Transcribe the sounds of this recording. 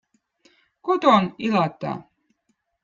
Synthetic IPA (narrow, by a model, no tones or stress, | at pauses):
kot̪onilɑt̪ːɑ̰